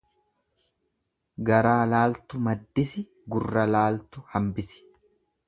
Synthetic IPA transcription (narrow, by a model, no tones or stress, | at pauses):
ɡɐɾaːlaːlt̪ʊmɐd̪ːɪsɪ | ɡʊrːɐlaːlt̪ʊhɐmbɪsɪ̥